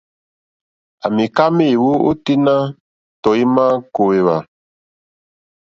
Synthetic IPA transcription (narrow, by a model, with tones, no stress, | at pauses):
a˨mi˨ka˦me˦˨wu˦o̰˦ti˦na˦ | tɔ˨i˦ma˦ko˨we˨βa̰˨